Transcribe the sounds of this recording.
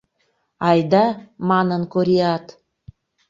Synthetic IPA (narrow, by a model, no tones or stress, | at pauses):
ɑjd̪ɑmɑnənkoɾiɑt̪